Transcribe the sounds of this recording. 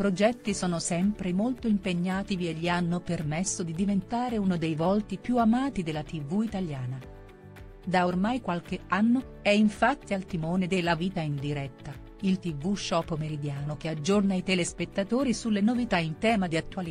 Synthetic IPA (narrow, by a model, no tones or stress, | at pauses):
pɾod͡ʒɛt̪ːisɔːnosɛmpɾemolt̪oimpeɲːaːt̪ivieʎːianːopermesːod̪id̪ivent̪aːɾeunod̪ejvɔlt̪ipjuamaːt̪id̪elːat̪ivːuit̪aljaːna | d̪aormajkwalk̟eanːo | ɛiɱfat̪ːialt̪imoːned̪elaviːt̪aind̪iɾɛt̪ːa | ilt̪ivuʃːɔːpːomeɾid̪jaːnok̟ead͡ʒːornait̪ɛlespet̪ːat̪oːɾisulːenovit̪aint̪ɛːmad̪iat̪ːuali